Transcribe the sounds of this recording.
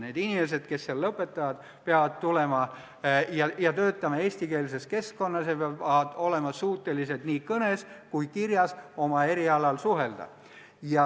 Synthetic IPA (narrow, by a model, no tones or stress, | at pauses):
ne̞ːd̪inʲime̞s̬e̞d̪̥̚ke̞sːelːɤpːˑe̞t̪ːˑɑvɑd̪̥ | peɑvɑd̪̚t̪ule̞mɑ | jɑjɑt̪ø̞ːt̪ːˑɑmɑe̞ːsʲt̪ike̞ːls̬e̞ske̞skːo̞nːɑsjɑpeɑɑd̪o̞le̞mɑsuːt̪ːˑelise̞d̪niːkɤne̞skujkirjɑso̞mɑe̞ɾiɑlɑlsuɦe̞ld̪̥ɑ̰ | jɑ